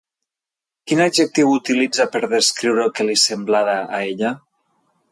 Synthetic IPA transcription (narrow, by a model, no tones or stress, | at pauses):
kinaʒek̚t̪iwut̪ilid͡zapəɾðəskɾiwɾelkelisemblaðaːeʎa